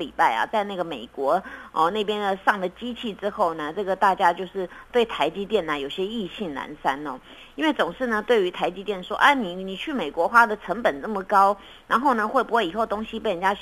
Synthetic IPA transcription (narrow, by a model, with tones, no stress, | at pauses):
li˨˩pa˥˩ɪa̰˩t͡sa˥˧ɪna˥˩ɡə˩mḛ˨˩ɪkwɔ˧˥ɔ˥˧ne˥˩ɪp̬jɛ˥nd̪ə˨ʂɑ˥˩ŋd̪ə˩t͡ɕi˥t͡ɕʰi˥˩ʈ͡ʂɻ̩˥xo˥˩ʊnə˩ʈ͡ʂɤ˥˩ɡə˩t̪a˥˩t͡ɕja˥t͡ɕjo˥˧ʊʂɻ̩˥˩t̪we˥˩ɪt̪ʰa˧˥ɪt͡ɕi˥t̪jɛ˥˩nə˩jo˨˩ʊi˩ɕjɛ˥i˥˧ɕi˥˩ŋna̰˧˥nsa˥nɔ˨˦ | i˥nwe˥˩ɪt͡sʊ˨˩ŋʂɻ̩˥˩nə˩t̪we˥˩ɪy˧˥t̪ʰa˧˥ɪt͡ɕi˥t̪jɛ˥˩nʂwɔ̰˦˥ʔa˥ni˨˩ni˨˩t͡ɕʰy˥˩me˨˩ɪkwɔ˧˥xwa˥d̪ə˨ʈ͡ʂʰə˧˥ŋpə˨˩nnə˥˩mə˨kɑ˥ʊ | ɻa˧˥nxo˥˩ʊnə˩xwe˥˩ɪpu˥xwe˥˩i˨˩xo˥˩ʊt̪o˥ŋɕi˧pe˥˩ɪ˩ə˨˩nt͡ɕja˥